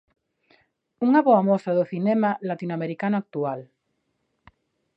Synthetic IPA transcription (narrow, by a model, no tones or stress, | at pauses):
uŋaβoamosaðoθinemalat̪inoameɾikanoak̚t̪ual